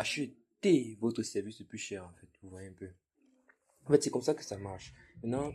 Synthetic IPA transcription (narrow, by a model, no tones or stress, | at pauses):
aʃət̪evot̪χəsɛʁvisdəplyʃɛːʁɑ̃fɛt̪vuvwajeɛ̃pø | ɑ̃fɛt̪sɛkɔmsakə̥samaʁʃmɛ̃t̪nɑ̃